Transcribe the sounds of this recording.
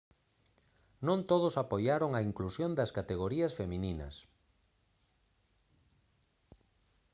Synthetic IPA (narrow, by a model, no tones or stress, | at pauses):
nõnt̪oð̞ʊsapojaɾoŋɐiŋklusjond̪ɐskat̪eɣoɾiɐsfemĩninɐ̰s